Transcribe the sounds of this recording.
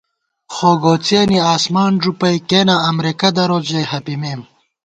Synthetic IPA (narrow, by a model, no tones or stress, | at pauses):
xoːɡoːt͡seːniaːsmaːnʐupɐjkenaːmɾekɐd̪ɐɾod͡ʑehɐpimeːm